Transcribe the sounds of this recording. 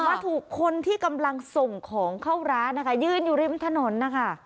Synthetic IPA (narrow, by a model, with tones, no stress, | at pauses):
wa˦˥t̪ʰːuː˨˩kʰːo˧nt̪ʰiː˥˩ka˧mla˧ŋso˨˩ŋkʰɔː˩˦ŋkʰa˥˩wɾaː˦˥na˦˥kʰa˥˩jɯː˥˩njuː˨˩ɾi˥˩mt̪ʰa˧no˩˦nːa˦˥kʰa˥˩